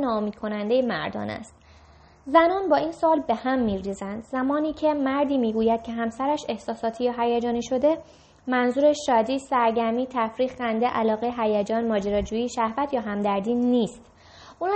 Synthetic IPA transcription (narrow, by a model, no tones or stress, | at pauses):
nɒːomiːd̪̚kʰo̞nænd̪ejemæ̰ɾd̪ɒ̰ːnæ̰st̪ | zænɒːnbɒːiːnsɒːlbe̞hæmːiːɾiːzænd̪̥zæmɒːniːcʰe̞mæɾd̪iːmiːɡuːjæd̪̥̚cʰe̞ɦæmsæɾæʃe̞hsɒːsɒːt̪ʰijɒɦæjæd͡ʒɒːniːʃo̞d̪e̞ | mænzuːɾeʃɒːd̪iːsæɾɟæɾmiːt̪ʰæfɾiːɣxænd̪eʔælɒːɣeɦæjæd͡ʒɒːnmɒːd͡ʒeɾɒːd͡ʒuːiːʃæhvæt̪ʰjɒːɦæmd̪æɾd̪iːniːst̪ | ʔun